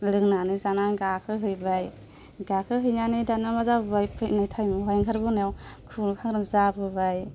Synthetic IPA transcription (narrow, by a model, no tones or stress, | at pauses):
lɯŋnanɯzanaŋɡakʰɯɦɯjbaj | ɡakʰɯɦɯjnanɯdanamazabɯbajpʰɯjnɯjtʰajmɯɦɔjŋkʰaɾbɯnawkʰɯnkʰaŋɾɯmzabɯbaj